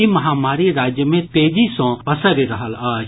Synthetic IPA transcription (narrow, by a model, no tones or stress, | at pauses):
imɐɦaːmaːɾiɾaːd͡ʒjəmẽt̪eːd͡ʒisõːpəsəɾiɾɐɦəlaːd͡ʒ